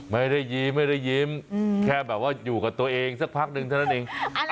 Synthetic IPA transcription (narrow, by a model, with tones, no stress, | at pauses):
ma˥˩jɾa˥˩jːi˧˥mːa˥˩jɾa˥˩jːi˧˥mkʰɛː˥˩bɛː˨˩p̚waː˥˩juː˨˩kaː˨˩t̪u˧ɐʔeː˧ŋsa˥˩ək̚pʰa˦˥k̚nɯ˧ŋʰa˥˩na˦˥nʔeː˧ŋ